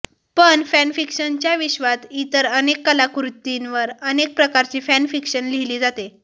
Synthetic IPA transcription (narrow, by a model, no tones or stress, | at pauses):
pəɳfænfikɕənt͡ɕjaʋiɕʋat̪it̪əɾənekːəlakɾut̪ːinʋəɾənek̚pɾəkaɾt͡ɕiːfænfikɕənliliːd͡zat̪e